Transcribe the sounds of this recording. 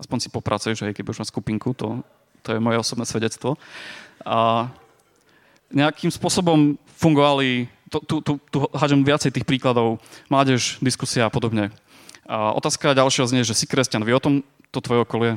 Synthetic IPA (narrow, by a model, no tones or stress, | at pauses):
aspɔɲsi̥pɔpɾʔat͡sujɛʒɦɛjkɛbiuʒmaːskupiŋkut̪ɔ̰ | t̪ɔjɛmɔjɛɔsɔbnɛːsʋɛɟɛt͡st̪ʋɔ | a | ɲɛakʰimspʊɔsɔbɔm | fuŋɡɔʋali | t̪ɔt̪ut̪ut̪uɦɦad͡ʒɔmʋɪat͡sɛjt̪iːxpɾiːklad̪ɔʊmlaːɟɛʒd̪iskusiaːpɔd̪ɔbɲɛ | ʔɔ̰t̪aːskaɟalʃjɛɦɔzɲɛjʒɛsikɾɛscanʋiɔt̪ɔm | t̪ɔt̪ʋɔjɛɔkɔliɛ